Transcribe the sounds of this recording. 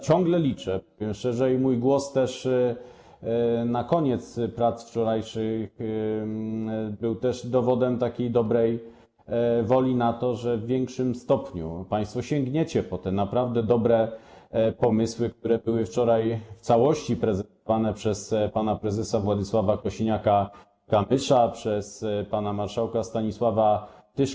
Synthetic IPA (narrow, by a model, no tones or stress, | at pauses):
t͡ɕɔŋɡlɛlʲit͡ʂɛɔvʲjɛmʂɛʐɛjmujɡwɔst̪ɛʂ | nakɔɲɛt̪spɾat̪sft͡ʂɔɾajʂɘx | bɘwt̪ɛʐd̪ɔvɔd̪ɛmt̪akʲejd̪ɔbɾɛj | vɔlʲinat̪ɔʐɛvːʲjɛŋkʂɘmst̪ɔpɲṵpaj̃st̪fɔɕɛŋɡɲet͡ɕɛpɔt̪ɛnapɾavd̪ɛd̪ɔbɾɛ | pɔmɘswɘk̚t̪uɾɛbɘwɘft͡ʂɔɾajft̪sawɔɕt͡ɕipɾɛzɛnt̪̚ɔvanɛpʂɛspanapɾɛzɛsavwad̪ɘswavakɔɕiɲaka | kamɘʂapʂɛspanamaɾʂawkast̪aɲiswava | t̪ɘʂ